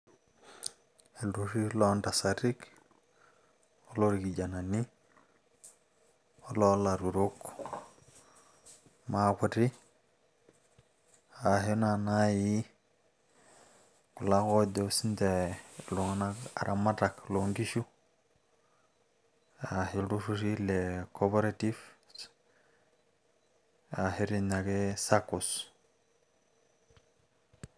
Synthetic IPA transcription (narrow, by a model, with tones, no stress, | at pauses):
e˨lɾu˨ɾi˦lo˦nta˨sa˨ɾi˦k | o˦lo˦ɾi˨ki˨d͡ʒa˨na˨ni˦ | o˦lo˦la˨ɾu˨ɾu˦k | ma˦kʷu˨ɾi˦ | a˨ɦo˦na˨na˦ji˦ | ku˨la˦ko˦do˨si˦nde˨lo˨ŋ˦na˦a̰˨ɾʔa˨ma˦ta˨klo˨ŋɡi˦ʃu˦ | a˨hi˨ldu˦su˦ʃi˦le˨kʰo˦pe˦ɾa˦ti˦f | a˨he˦ɾi˦na˨ɡe˦sa˦ku˨s